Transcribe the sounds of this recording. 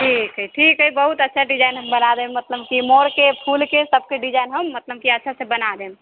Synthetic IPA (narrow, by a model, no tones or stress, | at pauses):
ʈʰikɦəiʈʰikɦəibəɦut̪ətːʃʰaɖid͡ʒajnɦəmbənad̪emət̪ləb̚kimoɽkepʰulkesəb̚keɖid͡ʒaɪnɦəmːət̪ləb̚kiətːʃʰasẽbənad̪em